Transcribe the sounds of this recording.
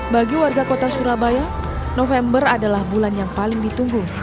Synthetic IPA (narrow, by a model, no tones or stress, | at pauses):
baɡiwarɡakot̪asuɾabaja | nofɛmbəradalahbulanjaŋpalɪŋdit̪uŋɡu